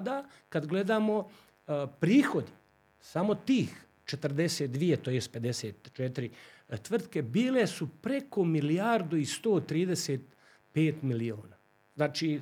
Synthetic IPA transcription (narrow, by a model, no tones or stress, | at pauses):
d̪a | kad̪ɡle̞d̪aːmo̞ | pɾiːxo̞d̪i | samo̞t̪iːx | t͡ʃet̪r̩d̪eset̪̚d̪ʋijet̪ojest̪pe̞d̪eseːt̪t͡ʃet̪ɾit̪ʋr̩t̪ke̞biːle̞supɾe̞komiliaɾd̪uist̪oːt̪ɾiːd̪eseːt̪ | peːt̪milioːnaː | znaːt͡ʃiː